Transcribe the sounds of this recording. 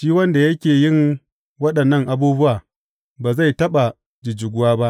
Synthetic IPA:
ʃiː˦wɐ˦nda˨jɐ˦kʲeː˨jɪ˦ŋ | wɐ˦ɗɐ˨nːɐ˦ŋʔa˦buː˦bʊ˦waː˨ | baː˨za˦˨jtɐ˦ɓa˨ | d͡ʒɪ˨d͡ʒɪ˨ɡʷʊ˦waː˦ba˦ʔ

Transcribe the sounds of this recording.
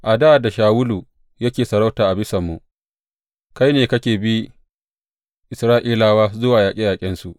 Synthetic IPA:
ʔa˨da˦ʔa˨da˨ʃaː˨wʊ˦lu˨ | jɐ˦kʲeː˨sɐ˨ɾa˦wtaː˨ʔa˨bɪ˦sɐ˨mːu˨ | ka˦jneː˨kɐ˦kʲeː˨bi˦ | ʔɪ˨sɾaː˦ʔiː˦laː˦waː˦zʊ˦waː˨jaː˨kʲʼi˦jaː˨kʲʼɪ˦nsu˨ʔ

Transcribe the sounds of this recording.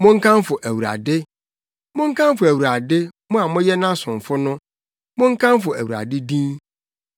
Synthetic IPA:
mʊ̃˦ŋ̩˦kʰã˦mfʊ˨ʔæ˨wu˨ɾa̰˨dɪ˦ | mʊ̃˦ŋ̩˦kʰã˦m˦fʊ˨æ˨wu˨ɾa˨dɪ˦mʊ̃˦a˨mʊ̃˦jɛ˦nã˦sʊ̃˨ɱ˨fʊ˦nʊ̃˦ | mʊ̃˦ŋ̩˦kʰã˦m˦fʊ˨æ˨wu˨ɾa̰˨dɪ˦dĩ˦n

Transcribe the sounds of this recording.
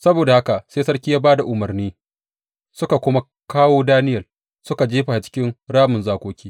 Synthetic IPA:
sɐ˦boː˨da˨ha˦ka˨seː˦sɐ˦rkʲi˦jaː˦baː˦da˨ʔʊ˨mɐ˨rniː˦ | sʊ˦ka˨kʷʊ˦ma˦ | kaː˦woː˦daː˦nɪ˦jɐ˨l | sʊ˦ka˨d͡ʒeː˦ɸa˨a˨t͡ʃɪ̥˦kʲɪ˦nɽaː˦mʊ˨nzaː˦kʷoː˦kʲiː˦

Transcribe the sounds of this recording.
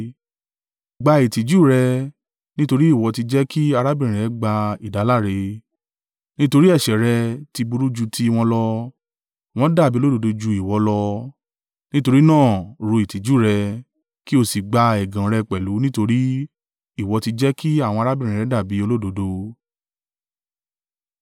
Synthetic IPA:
ɡ͡ba˧i˨ti˨d͡ʒu˦˨ɾɛ˧ | nĩ˦to˧ɾi˦i˦˨wɔ˧ti˧d͡ʒɛ˦ki˦a˧ɾa˦bĩ˦˨ĩ˨ɾɛ˨˦ɡ͡ba˧i˨da˨˦la˦˨ɾe˧ | nĩ˦to˧ɾi˦ɛ˦˨ʃɛ˨ɾɛ˧ti˧bu˧ɾu˦d͡ʒu˧tʰi˧w̃ɔ̃˧lɔ˧ | w̃ɔ̃˦da˦˨bi˦o˦do˨˧do˧d͡ʒu˧i˨wɔ˨˧˦lɔ˧ | nĩ˦to˧ɾi˦nãː˦˨ɾu˧i˨ti˨d͡ʒu˦˨ɾɛ˧ | ki˦o˦˨si˨ɡ͡ba˧ɛ˨ɡã˨ɾɛ˧k͡pɛ˨lu˨˦nĩ˦to˧ɾi˦ | i˦˨wɔ˧ti˧d͡ʒɛ˦ki˦a˦˨w̃ɔ̃˧ɾa˦bi˦˨ɾ̃ĩ˨ɾɛ˨˦da˦˨bi˨˦o˧lo˦do˨˧do˧

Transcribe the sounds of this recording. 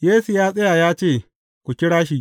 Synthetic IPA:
jeː˦su˨jaː˦sʼɐ˦ja˨jaː˦t͡ʃeː˦˨ | kʷu˨kʲɪ˦ɽaː˦ʃi˦ʔ

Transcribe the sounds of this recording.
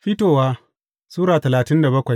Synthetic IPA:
ɸi˦toː˨waː˦ | suː˦ɾaː˨tɐ˨laː˨tɪ˦nda˨bɐ˦kʷa˨j

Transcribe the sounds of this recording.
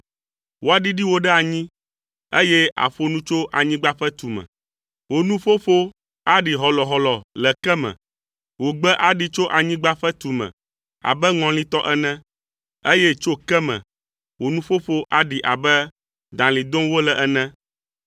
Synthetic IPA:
wo˦a˨ɖi˦ɖi˦wo˦ɖɛ˦a˨ɲĩ˦ | e˦je˦a̰˨ɸo˦nũ˦t͡ʃo˦ʔa˨ɲĩ˦ɡ͡ba˦ɸɛ˦t̪u˨mɛ̰̃˨ | wo˨nũ˦fo˦ɸo˦ | a˦ɖi˨ɦɔ˨lɔ˨ɦɔ˨lɔ˨lɛ˨kɛ˦mɛ̰̃˨ | wo˨ɡ͡bɛ˦ʔa˨ɖi˦t͡ʃo˦ʔa˨ɲĩ˦ɡ͡ba˦ɸɛ˦t̪u˨mɛ̰̃˨ | a̰˨bɛ˦ŋɔ̃˨lĩ˦t̪ɔ˦ʔɛ˦nɛ̃˦ | e˦jɛ˦t͡ʃo˦kɛ˦mɛ̰̃˨ | wo˨nũ˦ɸo˦ɸo˦ʔa˦ɖi˨ʔa˨bɛ˦ | d̪ã˨li˨d̪õ˦wo˦lɛ˨ʔɛ˨nɛ̃˦

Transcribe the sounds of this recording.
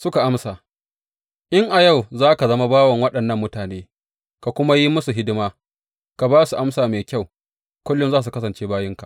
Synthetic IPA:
sʊ˦ka˨ʔa˦msaː˨ | ʔɪ˦ŋʔa˨ja˦˨wzaː˦ka˨zɐ˦ma˦baː˦wɐ˨ŋwɐ˦ɗɐ˨nːɐ˦mːʊ˦taː˨neː˦ | ka˨kʷʊ˦ma˦ji˦mʊ˦su˨ɦɪ˦dɪ˦maː˦ | ka˨baː˦su˨ʔa˦msaː˨meː˨kʲa˦˨w | kʷʊ˦lːʊ˦nzaː˦s̬u˨kɐ˦s̬ɐ˨nt͡ʃeː˦baː˦jɪ˦ŋka˨

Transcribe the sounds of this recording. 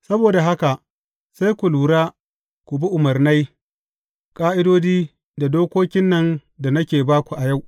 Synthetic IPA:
sɐ˦boː˨da˨ɦa˦ka˨ʔ | sa˦jkʷu˨luː˨ɾaː˦ | kʷu˨bi˦ʔʊ˨mɐ˨rna˦j | kʼaː˦ʔɪ˦doː˦d͡ʒiː˦ | da˨doː˦kʷoː˦kʲɪ˦nːɐ˨nda˨nɐ˦kʲeː˨baː˦kʷu˨ʔa˨ja˦˨w

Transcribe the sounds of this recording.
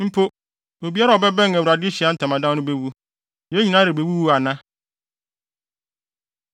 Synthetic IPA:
m̩˦pʰo˦ | o˨bi˦a˦ɾa˨ɔ˨bɛ˦bɛ̃˦ŋ˨ɛ˨wu˨a˨dɪ˦ɕi˨a˦n̩˦tʰã˨mã˨dã˦nʊ̃˦be˦wu˦˨ | e˦ɲĩ˨nãː˦ɾɪ˨be˨wu˦wu˦a˨nã˦

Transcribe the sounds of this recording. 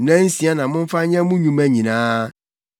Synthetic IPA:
nɛ̃˦n̩˦sĩ˨˦a˦nã˨mʊ̃˦m̩˦fa˦ɲɛ̃˦mũ˦ɲũ˨mɛ̃˦ɲĩ˨nãː˦

